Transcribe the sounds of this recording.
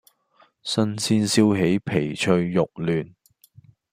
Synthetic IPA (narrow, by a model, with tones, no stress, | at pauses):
sɐ˥nsʰiː˥nsiː˥wɦe˨˥jpʰe˨˩jt͡ʃʰɵ˧ɥːʊ˨k̚lyː˨n